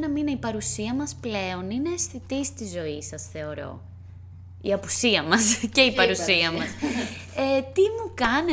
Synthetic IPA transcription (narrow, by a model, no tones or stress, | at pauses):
nɐmineipɐɾusiɐmɐsple̞o̞nine̞ːsθit̪ist̪izo̞isɐsθe̞o̞ɾo̞̰ | ḭɐpusiɐmɐsce̞ipɐɾusiɐmɐs | et̪imukɐne